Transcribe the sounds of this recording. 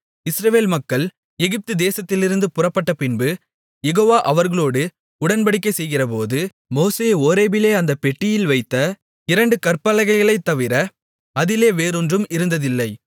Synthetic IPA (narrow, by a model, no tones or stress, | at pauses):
ɪsɾɐʋeːlmɐkːɐɭ | ɛɣɪp̚t̪ɯd̪eːsɐt̪ːɪlɪɾɯnd̪ɯpʊrɐpːɐʈːɐpɪnbɯ | jɛɣoːʋaːʔɐʋɐɾɣɐɭoːɽɯ | ʊɽɐnpɐɽɪk̬ːɐɪsɛjɣɪrɐp̬oːðɯ | moːseːoːɾeːbɪleːɐnd̪ɐpɛʈːɪjɪlʋɐɪt̪ːɐ | ɪɾɐɳɖɯkɐrpɐlɐɣɐɪɣɐɭɐɪt̪ːɐʋɪɾɐ | ɐðɪleːʋeːɾɔndrɯmɪɾɯnd̪ɐðɪlːɐɪ